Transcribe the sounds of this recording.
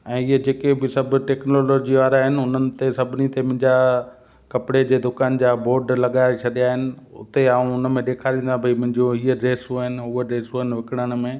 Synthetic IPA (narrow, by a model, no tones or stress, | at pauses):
ɛ̃ːɪɦəd͡ʑeːkebɪsɐb̆ʈeːknoːloːd͡ʑiaːɾaɦɪnɪ̆ʊnənɪ̆t̪esɐbʱɪnit̪emʊ̃ɦɪ̃ɲd͡ʑa | kɐpɪɽed͡ʑeːd̪ʊkaːnd͡ʑaːboːɾɖlɐɠaːet͡ɕʰɐɗijaɦɪnɪ̆ | ʊ̰t̪eaːũʊnəmẽɗeːkʰaːɾĩːnd̪ãbʱɐimɐ̃ɦɪ̃ɲd͡ʑõiːəɾeːsuaɦɪnɪ̆ʊəɾeːsoɦɪnɪ̆ʋɪkɪɽ̃əɽ̃̆mẽː